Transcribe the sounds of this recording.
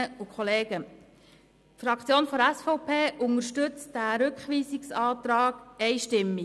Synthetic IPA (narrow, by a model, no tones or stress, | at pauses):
əukχɔleːɡ̥ə | tfɾɑkt͡sjoːnfɔɾæsfɔʊpʰeːʔʊŋəɾʃtʏt͡sd̥æːɾɵkχʋiːsɪksɑːt̪ɾɑːɡ̥ɛjʃtɪmːi